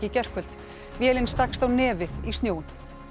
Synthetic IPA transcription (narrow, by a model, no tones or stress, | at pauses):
cɪcɛr̥kʰʏl̥t̪ | vjɛːlɪnst̪akst̪awnɛːvɪðist̪joːwɪn̥